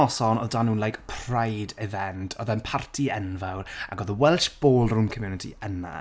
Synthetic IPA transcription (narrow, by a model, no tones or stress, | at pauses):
ɔsɔnɔðdanuːnlajkpʰrajdɛvɛntʰɔðanpʰartʰiɛnvawɾa̰ɡɔðəwɛlˠʃb̥oːlˠrʊmkʰəmjunɪtʰḭəna̰